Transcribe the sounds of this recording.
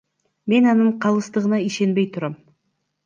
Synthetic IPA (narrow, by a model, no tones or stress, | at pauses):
me̞nɑnɯɴqʰɑlˠɯst̪ɯʁɯnɑiʃe̞nbe̞jt̪ʰuɾɑm